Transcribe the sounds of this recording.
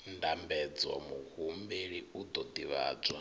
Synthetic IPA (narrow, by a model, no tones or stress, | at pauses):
ndambɛd͡zwa̰muhumbeɺiud̪ɔd̪iβa̰ːd͡zwa